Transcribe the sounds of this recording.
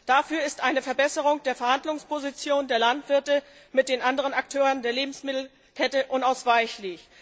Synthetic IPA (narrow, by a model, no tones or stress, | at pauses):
d̥afyːɐɪstʔaɪnəfɛɐbɛsəʁ̞ʊŋd̥eːɐfɛɐhandlʊŋspozit͡sjoːndeːɐlantv̥ɪɐtə | mɪt̚d̥eːnʔandəʁ̞ənaktʰøːʁəndeːɐleːbm̩smɪtl̩ | kʰɛtəʔʊnaʊsv̥aɪçlɪç